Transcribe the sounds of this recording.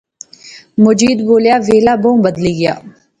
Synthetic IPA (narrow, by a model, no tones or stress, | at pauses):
mʊd͡ʒiːd̪boːljaːʋeːlaːbõːbəd̪liːɡja̰ː